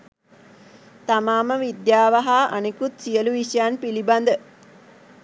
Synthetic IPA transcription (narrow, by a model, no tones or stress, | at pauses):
t̪amaːməʋid̪jaːʋaɦaʔa̰nekut̪sijəluʋiʃɐjanpiliband̪ə